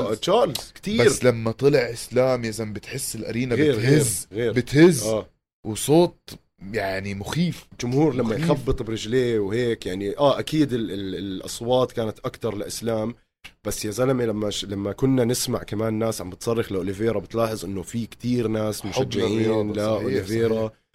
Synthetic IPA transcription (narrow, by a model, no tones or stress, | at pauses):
t͡ʃɑːlz̥kt̪iːbaɾːlamːat̪ˤɨlɪʕʔɪslaːmjazambɪt̪ħɪsːɪlʔa̰ɾiːnaɣeːɾɣhɪzɣeːɾbɪt̪hɪzaː | wsˤoːt̪̚ˤ | jaʕnimʊxiːfɪld͡ʒʊmhuːɾlamːajxabːɨt̪ˤbɾɪd͡ʒleːwheːkjaʕniʔaːʔakiːd̪ɪlɪlɪlʔɑ̰sˤwɑːt̪ˤkaːnat̪ʔakt̪ɑɾˤlɪʔɪslaːm | b̥asːjazalamilamːalamːakʊnːanɪsma̰ʕkamaːnːaːsʕambɪt̪sˤɑrˤːɑxlɪʔʊlɪveːɾˤabɪt̪laːħɨzˤʔɪnːofikt̪iːɾnaːsmʊʃad͡ʒːɪʕiːnlaʔʊːlɪveːɾa